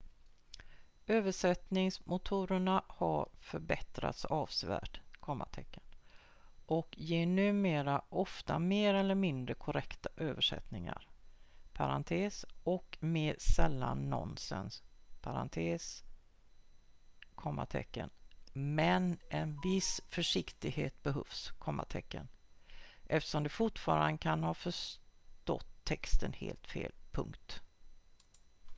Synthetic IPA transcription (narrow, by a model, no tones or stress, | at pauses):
øːvəʂɛt̪nɪŋsmʊt̪ʰuːɾəɳahaɾfœɾbɛt̪ɾa̰t̪sɑːvsvæ̰ːʈkʰɔmːa̰ʈʰɛkːə̥n | ʔɔkjeːɳʉ̟ːmeːɾaʔɔft̪ameːɾɛlːəɾmɪnd̪ɾəkʰʊɾɛkt̪aʔøːvəʂɛ̰t̪nɪŋa̰ɾpʰaɾant̪ʰeːsɔkmeːɾsɛlːanːɔ̰nsə̰npʰaɾant̪ʰeːs | kʰɔmːa̰ʈ̪ʰɛ̰kːə̰nmɛnʔɛnvɪsfœʂɪkt̪ɪɡheːt̪̚bɛɦœvskʰɔmːa̰ʈ̪ʰɛkːə̰n | ʔɛft̪ə̥ʂɔmd̪ɛfʊʈfɑːɾanəkʰanhɑːfœʂt̪ɔ̰t̪ʰːɛkst̪ənhḛːlt̪fḛːlpʰɵ̰ŋkt̪